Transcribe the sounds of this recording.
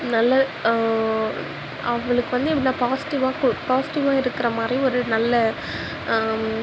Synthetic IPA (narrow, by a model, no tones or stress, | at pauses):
nɐlːɐ | ɐʋɐɭɯkːɯʋɐnd̪ɯpːɐɽɪlːãːpaːsɪ̥ʈɪʋaːkpaːsɪ̥ʈɪʋaːɪɾɯkːɯɾɐmaːd̪riɔɾɯnɐlːɐ